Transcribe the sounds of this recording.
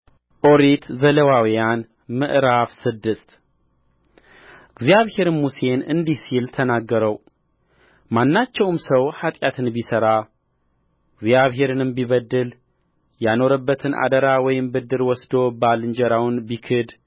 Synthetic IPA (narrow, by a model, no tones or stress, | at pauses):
ʔo̞ɾet̪zələwawijan | mɨʔɾafsɨd̪ːɨst̪ | ɨɡzjaβhe̞ɾmuse̞nɨnd̪isilt̪ʰənaɡːəɾəw | manːat͡ʃːɛwmsəwhat̪ʼjat̪ʰɨnbisəɾa | ɨɡzjaβɦe̞ɾɨnɨmbiβəd̪ːɨl | jano̞ɾəbːət̪ʰɨnʔa̰d̪əɾawɔjɪmbɨd̪ɨɾwɔsd̪o̞balɨnd͡ʒəɾawnbikʰɨd̪